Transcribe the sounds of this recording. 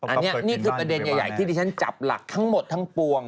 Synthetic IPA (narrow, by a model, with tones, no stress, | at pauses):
ʔa˧nːi˦˥ɐniː˥˩kʰɯː˧pɾa˧de˧nja˨˩ja̰˨˩jt̪ʰiː˥˩diː˧˩a˦˥nt͡ɕa̰˨˩p̚la̰˨˩k̚t̪ʰa˦˥ŋmo˨˩t̪ʰːa˦˥ŋpu˧əŋ